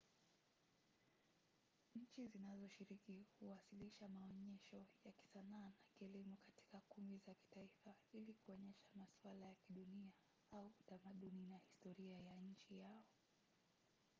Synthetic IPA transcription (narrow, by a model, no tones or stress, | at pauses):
ɲ̩t͡ʃizinazɔʃiɾikihuwasiliʃamaɔɲɛʃɔjaki̥sanaːnakiɛlimukati̥kakumbizaki̥taifailikuɔɲɛʃḁmaswalajakiɗunia | auːtamaɗuninahistɔɾiajaɲ̩t͡ʃijaɔ